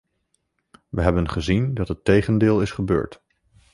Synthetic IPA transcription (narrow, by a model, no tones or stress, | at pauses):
ʋəɦɛbənχəzindɑtɦətejχəndɪːlˠɪsχəbø̰ːɹt